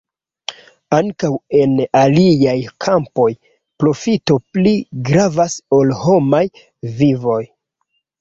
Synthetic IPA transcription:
aŋkawe̞naliajkʰampo̞j | pɾo̞fito̞pliɡɾavaso̞lho̞maj | vivo̞j

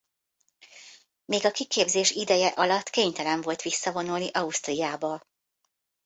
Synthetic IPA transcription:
meːɡɒkikeːbzeːʃid̪ɛjɛʔɒlɒt̪ːkeːɲt̪ɛlɛɱvo̞lt̪ʋisːɒvo̞nulniʔɒust̪rijaːbɒ

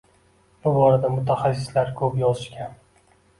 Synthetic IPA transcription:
b̥ʊbɒɾad̪amʊt̪ʰaχasːɪslaɾkʰɵpjɒzɪʃkʲan

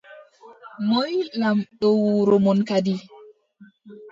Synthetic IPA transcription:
mɔjlamɗɔwuɾɔmɔnkadi

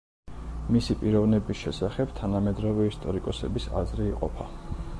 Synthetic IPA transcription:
misipʼiɾɔvnɛbisʃɛsaχɛb̥t̪ʰanamɛd̪ɾɔvɛist̪ʼɔɾikʼɔsɛ̰bisa̰zɾiːqʼɔ̰pʰa

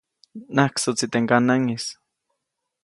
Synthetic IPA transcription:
nahksot͡sit̪eŋkanaŋis

